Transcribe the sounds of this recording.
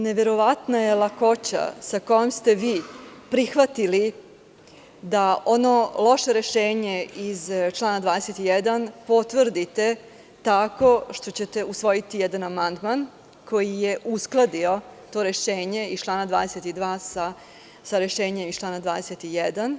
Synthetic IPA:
ne̞ʋe̞ɾo̞ʋat̪naje̞lˠako̞t͡ɕa̰sakojomst̪e̞ʋiːpɾixʋat̪ili | d̪ao̞no̞lo̞ʃe̞ɾe̞ʃeːɲe̞izt͡ʃlˠaːnad̪ʋaːd̪eset̪ijɛd̪anpo̞t̪ʋr̩d̪it̪e̞ | t̪ako̞ʃt̪o̞t͡ɕet̪e̞usʋo̞jit̪ijɛd̪anamand̪man | kʰo̞jijeʔusklˠad̪io̞t̪o̞ːɾe̞ʃeːɲe̞ist͡ʃlˠaːnad̪ʋa̰ːd̪eset̪id̪ʋaːsa | saɾe̞ʃeːɲe̞mist͡ʃlaːnad̪ʋaːd̪eset̪ijɛd̪an

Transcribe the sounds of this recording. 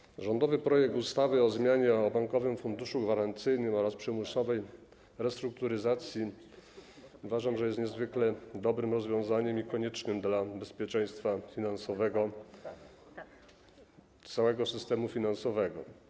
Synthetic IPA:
ʐɔnd̪ɔvɘpɾɔjɛk̚t̪ust̪avɘɔzmʲjaɲɛɔbaŋkɔvɘmfund̪uʂuɡvaɾant̪sɘjnɘmɔɾaspʂɛmusɔvɛj | ɾɛst̪ɾuk̚t̪uɾɘzat̪sʲji | uvaʐamʐɛjɛst̪ɲɛzvɘklɛd̪ɔbɾɘmɾɔzvʲjɔ̃w̃zaɲɛmikɔɲɛt͡ʂnɘmd̪labɛspʲjɛt͡ʂɛj̃st̪fafʲinansɔvɛɡɔ | t̪sawɛɡɔsɘst̪ɛmufʲinansɔvɛɡɔ̰

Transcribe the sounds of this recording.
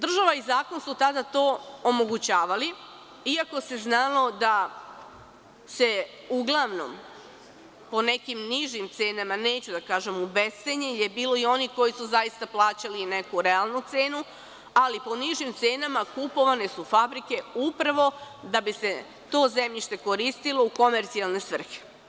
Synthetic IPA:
d̪r̩ʒaʋaizaːko̞nsut̪ad̪at̪o̞ːomo̞ɡut͡ɕaːʋali | iako̞se̞znaːlˠo̞d̪a | se̞ | uɡlˠaʋno̰m | po̞ne̞kimniʒimt̪se̞ːnamane̞ːt͡ɕud̪akaːʒe̞mubest̪eɲeilje̞biːlo̞io̞niko̞jisuzajist̪aplˠaːt͡ɕaline̞kuɾealˠnut̪seːnu | alipo̞niʒimt̪se̞ːnamakupo̞ʋane̞sufabɾike̞upɾaʋo̞d̪abise̞ | t̪o̞ːze̞mʎiʃt̪e̞ko̞ɾist̪ilˠo̞uko̞me̞ɾt̪sialˠne̞sʋr̩xe̥

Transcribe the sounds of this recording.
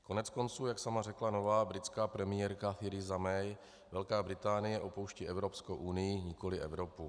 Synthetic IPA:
ko̞nɛt͡sko̞nt͡suːjaksamarɛklano̞vaːbɾɪt͡skaːpɾɛmɪjɛɾkaθɪɾɪzamɛj | vɛlkaːbɾɪt̪aːnɪjɛʔo̞po̞wʃciʔɛvɾo̞pskowʔunɪjɪɲɪko̞lɪʔɛvɾo̞pu

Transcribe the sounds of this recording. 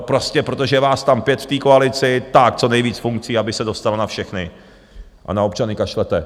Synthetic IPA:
pɾo̞scɛpɾo̞t̪o̞ʒɛvaːst̪ampjɛt̪ft̪iːkoalɪt͡sɪt̪ak̚t͡so̞nɛjviːt͡sfuŋk̚t͡siːabɪsɛdo̞st̪alanafʃɛxnɪ | ʔa̰naop̚t͡ʃanɪkaʃlɛt̪ɛ

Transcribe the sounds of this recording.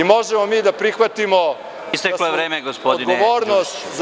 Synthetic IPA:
imo̞ʒemomiːd̪apɾixʋat̪imo | ist̪ekloeʋɾeːmeɡospodd̪inɡoʋoːɾnost̪z

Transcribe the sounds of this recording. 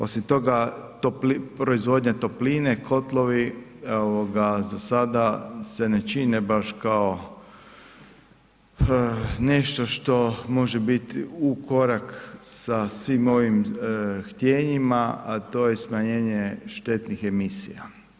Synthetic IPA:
o̞simt̪o̞ɡat̪oplipɾo̞izʋo̞d̪ɲat̪o̞pliːnekʰo̞t̪lˠo̞ʋioʋoɡazasad̪ase̞ne̞t͡ʃinebaʃkao | ne̞ʃt̪oʃt̪o̞mo̞ʒebit̪iukʰo̞ɾaksasʋimo̞ʋimxt̪je̞ːɲimaat̪o̞ːjesmaɲe̞ːɲeʃt̪e̞t̪nixe̞misḭja

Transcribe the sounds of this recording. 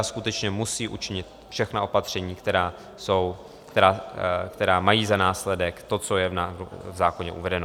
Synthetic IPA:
askut̪ɛt͡ʃɲɛmusiːʔut͡ʃɪɲɪt̪ | fʃɛxnao̞pat̪r̝̥ɛɲiːkt̪ɛɾaː | so̞w | kt̪ɛɾaːkt̪ɛɾaːmajiːzanaːslɛdɛkt̪o̞t͡so̞jɛvnavzaːko̞ɲɛʔṵvɛdɛno̞

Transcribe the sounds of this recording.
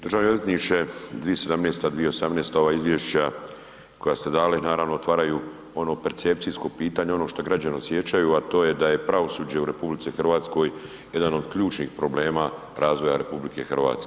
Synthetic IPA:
d̪r̩ʒaːʋneozet̪niʃed̪ʋiesed̪amneːst̪ad̪ʋijeo̞samneːst̪ao̞ʋaːizʋjeʃt͡ɕa | kʰo̞jast̪ed̪aːlinaːɾaʋnoot̪ʋaːɾaju | o̞no̞pe̞ɾt̪se̞p̚t̪sisko̞piːt̪aɲeo̞no̞ʃt̪oɡɾad͡ʑaneosje̞t͡ɕajuat̪o̞ːje̞d̪aje̞pɾaʋo̞sud͡ʑeuɾe̞publit̪sixr̩ʋaːt̪sko̞j | jed̪ano̞d̪kʎuːt͡ʃnḭːxpɾo̞ble̞ːma | ɾaːzʋo̞jaɾe̞publike̞̰xrʋa̰ːt̪ske

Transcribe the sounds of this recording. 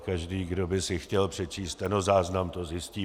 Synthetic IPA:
kaʒdiːɡdobɪsɪxcɛlpr̝̥ɛt͡ʃiːst̪ɛnozaːznamt̪ozjɪsciː

